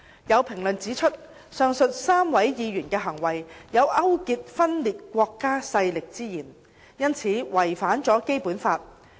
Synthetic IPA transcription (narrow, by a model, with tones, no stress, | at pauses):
jɐ˨˧wpʰɪ˨˩ŋlɵ˨nt͡siː˨˥t͡ʃʰɵ˥t̚ | sœː˧ŋsɵ˧t̚saː˥mwɐ˨˥jjiː˨˧jyː˨˩nkɛː˧ɦɐ˨˩ŋwɐ˨˩jjɐ˨˧wʔɐ˥wkiː˧t̚fɐ˥nliː˨t̚kʷɔː˧kːaː˥sɐ˧jlɪ˨k̚t͡siː˥jiː˨˩n | jɐ˥nt͡sʰiː˨˥wɐ˨˩jfaː˨˥nt͡sɔː˨˥ke˥jpuː˨˥nfaː˧t̚